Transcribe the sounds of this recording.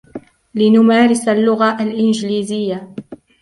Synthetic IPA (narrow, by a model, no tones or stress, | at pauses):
lɪnʊmaːɾɪsalːʊɣaʔalʔɪnd͡ʒliːzɪjːa